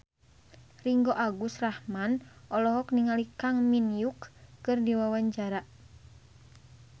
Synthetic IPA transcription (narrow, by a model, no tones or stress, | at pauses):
riŋɡoʔaɡusrahmanʔɔlɔɦɔkniŋalikaŋminjukːɨrdiwawaɲd͡ʒaɾaʔ